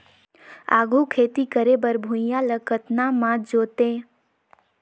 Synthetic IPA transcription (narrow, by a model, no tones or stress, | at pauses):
a̰ːɡʱukʰeːt̪ikəɾebəɾbʱũjãləkət̪namãd͡ʒoːt̪e